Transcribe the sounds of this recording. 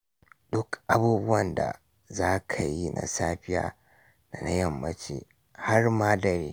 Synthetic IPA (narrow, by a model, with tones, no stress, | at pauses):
d̥ʊ˦kʔa˦buː˦bʊ˦wɐ˨nda̰˨ | zaː˦kʰa˨ji˦nʔa̰˨saː˦ɸɪ˦ja̰ː˦ | na˨na˦jɐ˨mːɐ˦t͡ʃḛː˨ | ha˦rmaː˦dɐ˨ɾeː˦